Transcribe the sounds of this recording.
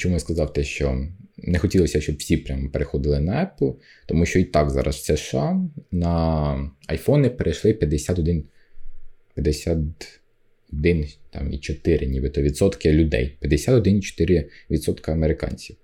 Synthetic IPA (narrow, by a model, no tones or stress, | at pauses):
t͡ʃɔmuʋɪskɐzɑwt̪ɪʃt͡ʃɔnɛxɔtʲilˠɔsʲɐʃt͡ʃɔbwsʲipɾʲampeɾexɔd̪ɪlˠɪnɐɛpl̩ˠ | t̪ɔmuʃt͡ʃɔit̪ɑkzɑ̰ɾʔɐ̰swsɛʃɑnɐ | ɐjfɔnʲɪpeɾʔejʃlˠɪpʲjɐd̪esʲat̪ɔd̪ɪn | pʲjɐd̪esʲat̪ | ɔd̪ɪnt̪ɑ̰mḭt͡ʃɔt̪ɪɾʔɪnʲibɪt̪ɔʋʲid̪sɔt̪kɪlʲʊd̪ɛ̰jpʲjɐd̪esʲat̪ɔd̪ɪnit͡ʃɔ̥t̪ɪɾɪʋʲid̪sɔt̪kɐɐmeɾɪkɑ̰nʲt͡sʲiw